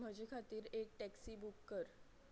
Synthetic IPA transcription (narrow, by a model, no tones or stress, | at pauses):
m̤əd͡ʑekʰat̪iːɾek̚ʈɛksiːbukːəɾ